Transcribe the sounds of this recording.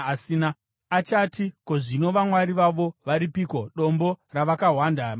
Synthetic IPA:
siːna | at͡ʃatikoʐino̞ʋamwaɾiʋaʋo̞ʋaɾipiko̞ɗo̞mbo̞raʋakaɦwanda

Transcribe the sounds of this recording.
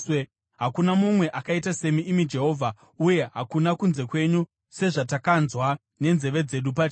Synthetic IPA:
e | ɦakunamumwe̞ʔakaitase̞miʔːmid͡ʒe̞ɦo̞ːvʱa | uje̞ɦakunakunze̞kwe̞ɲu | se̞ʐatakanzwa | ne̞nze̞ʋe̞d͡ze̞ɗup̬at͡ʃ

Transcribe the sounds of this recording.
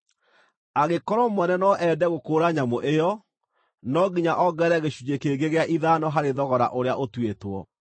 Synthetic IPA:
aɣekɔɾɔmwɛnɛnɔʔɛdɛɣokoːɾaɲamoʔejɔ | nɔɡiɲaʔɔɡɛɾɛɣeɕud͡ʒekeɡeɣeaʔiðanɔɦaɾeðɔɣɔɾa̰ʔoɾeaʔotwetwɔ̰

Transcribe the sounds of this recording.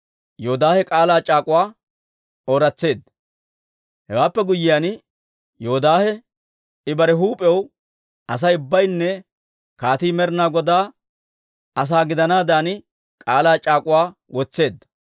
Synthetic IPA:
joːd̪aːhɛkʼaːlaːt͡ʃʼaːkʼʊwaː | oːɾɐt͡sːe̞ːd̪ | hɛwaːpːɛɡʊjːɪjaːn | joɔd̪aːhɛ | ɪbɐɾɛɦuːpʼɛw | ʔɐs̬ɐjʊbːɐjnːɛ | kaːt̪iːmɛɾnaːɡɔd̪aː | ɐs̬aːɡɪd̪ɐnaːd̪aːn | kʼaːlaːt͡ʃʼaːkʼʊwaː | wʔɔt͡sːe̞ːd̪ːɐ

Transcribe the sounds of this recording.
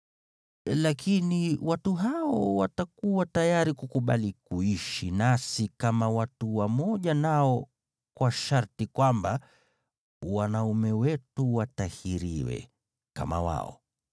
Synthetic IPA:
lakʰiniwatuɦaɔwatakuwatajaɾikukuɓa̰likuiʃinasikamawatuwamɔʄanaɔ | kwaʃaɾtikwamba | wanaumɛwɛtuwatahiɾiwɛ̰ | ka̰ma̰wa̰ɔ̰

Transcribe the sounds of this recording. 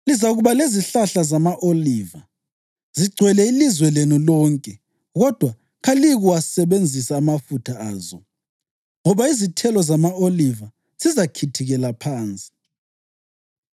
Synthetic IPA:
lizauɣuβaleziɬaɬazamaʔoliːva | ziɡ͡ǀʱwɛlɛilizwɛlenulɔːŋkʼɛ | ɣɔd̥ʱwa | ɣaliɣuwasɛβend͡zʱisaːmafutʰaaːzɔ | ŋɔβaizitʰɛlɔzamaoliva | z̥izakʰitʰiɣɛlapʰaːnt͡sʼi̥

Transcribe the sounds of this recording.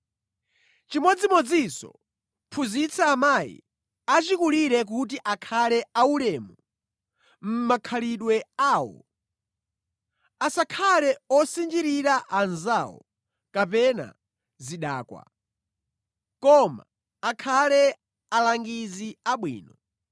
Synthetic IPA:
t͡ʃimɔd͡zimɔd͡zisɔ̰ | pʰuzit͡sʰaːmajḭ | at͡ʃikuliɾɛk̬ut̬iʔakʰalɛaulɛːmu | m̩makʰaliɗwɛaːwɔ̰ | asakʰalɛɔsind͡ʒiɾiɾaʔanzawɔ̰ | kapɛna̰ | ziɗaːkwa̰ | kɔma̰ː | kʰalɛ | alaŋɡiziaɓwḭːnɔ

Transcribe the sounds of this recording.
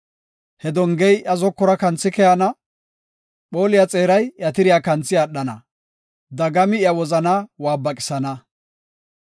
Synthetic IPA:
hɛd̪ɔŋɡɛjʔɐzɔkːɔɾɐkɐnt͡sːɪkɛjɐnɐ | ɓo̞ːlɪjɐt͡sʼe̞ːɾɐjjɐt̪ɪɾɪjakɐnt͡sːɪjaːɗːɐnɐ | d̪ɐɡɐmɪjɐwɔzɐnawaːbːɐkʼɪ̥sɐnɐ

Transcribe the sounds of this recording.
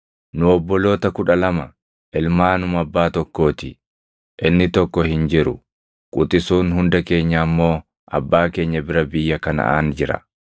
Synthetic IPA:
nʊɔbːɔlo̞ːt̪ɐkʊᶑɐlɐmɐ | ʔɪlmaːnʊmɐbːaːt̪ɔkːo̞ːt̪ɪ | ʔɪnːɪt̪ɔkːɔhɪnd͡ʒɪɾʊ | kʼʊt̪ʼɪsuːnhʊnd̪ɐke̞ːɲːɐːmːo̞ː | ʔɐ̰bːaːke̞ːɲːɐbɪɾɐbɪjːɐkɐnɐ̰ʔa̰ːnd͡ʒɪɾɐ̰

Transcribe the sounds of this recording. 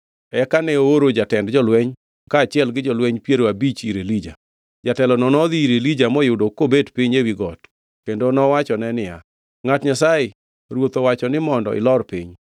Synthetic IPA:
ɛkanɛooɾod͡ʒatɛndd͡ʒɔlwɛɲ | kaːt͡ʃɪɛlɡɪd͡ʒɔlwɛɲpjeɾoabit͡ʃiɾelid͡ʒa̰ | d͡ʒatɛlɔnɔnɔd̪iiɾelid͡ʒamɔjʊdokːobedpɪɲewiɡɔt | kendonɔwat͡ʃɔnɛnɪja̰ | ŋatɲasajɪ | ɾwot̪owat͡ʃɔnɪmɔndɔ̰ʔɪ̰lɔrpɪɲ

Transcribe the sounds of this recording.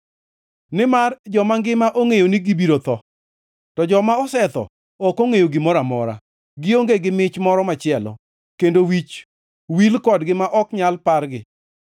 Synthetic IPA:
nɪmard͡ʒɔmaŋɡɪmaʔoŋejonɪɡibiɾot̪ɔ | tɔd͡ʒɔmaɔsɛt̪ɔ̰ | ɔkoŋejoɡɪmɔɾamɔ̰ɾa̰ | ɡɪoŋɡeɡɪmɪt͡ʃmɔɾɔmat͡ʃɪɛlɔ̰ | kendowit͡ʃ | wilkɔdɡɪmaʔɔkɲalparɡɪ

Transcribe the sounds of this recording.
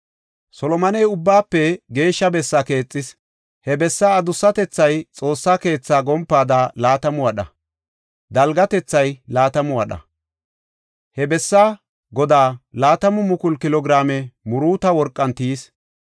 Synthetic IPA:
sɔlɔmɐnɛjʊbːaːpːɛɡe̞ːʃːɐbɛsːake̞ːt͡sʼːɪs | hɛbɛsːaːd̪ʊsːɐt̪ɛt͡sːɐjt͡sʼo̞ːsːaːke̞ːt͡sːaːɡɔmpːaːd̪aːlaːt̪ɐmʊwɐɗɐ̰ | d̪ɐlɡɐt̪ɛt͡sːɐjlaːt̪ɐmʊwɐɗɐ̰ | hɛbɛsːaː | ɡɔd̪aːlaːt̪ɐmʊmʊkʊlkɪlɔɡɪɾaːmɛmʊɾuːt̪ɐwɔɾkʼːɐnt̪iːs

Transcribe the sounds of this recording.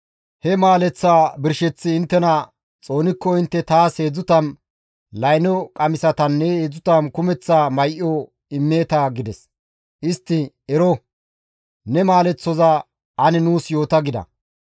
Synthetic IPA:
hɛmaːlɛt͡sːaːbɪɾʃɛt͡sːɪɪnt̪ːɛnɐ | t͡sʼo̞ːnɪkːɔɪnt̪ːɛt̪aːse̞ːd͡zʊt̪ɐn | lɐjnɔkʼɐmɪsɐt̪ɐnːɛeːd͡zʊt̪ɐnkʊmɛt͡sːaːmɐjʔɔ | ɪmːe̞ːt̪aɡɪd̪ɛs | ʔɪst̪ːɪ | ɛɾɔ | nɛmaːlɛt͡sːɔza | ʔɐnɛnuːsjo̞ːt̪ɐɡɪd̪ɐ̰

